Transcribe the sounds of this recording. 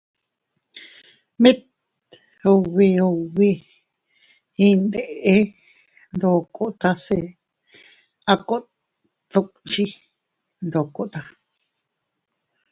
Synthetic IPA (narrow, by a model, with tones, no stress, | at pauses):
mĩ˦t̪ | o˧wi˧o˧wi˧ | ĩ˧nd̪e˨ʔe˦ | nd̪o˧ko˦ʔt̪a˧se˧ | a˧ko˦ʔ | t̪o˧ʔt͡ʃi˦ | nd̪o˨ko˦ʔt̪a˧